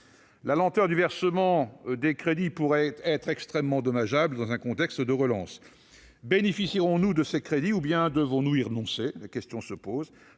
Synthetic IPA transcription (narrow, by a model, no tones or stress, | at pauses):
lalɑ̃t̪œʁd̪yvɛʁsəmɑ̃d̪ekχed̪ipuʁɛɛt̪χɛkst̪χɛmːɑ̃d̪ɔmaʒabləd̪ɑ̃zɛ̃kɔ̃t̪ɛkst̪d̪əʁəlɑ̃s | benefisiʁɔ̃nud̪əsekχed̪iubjɛ̃d̪əvɔ̃nuiʁənɔ̃selakʲɛst̪jɔ̃səpoːz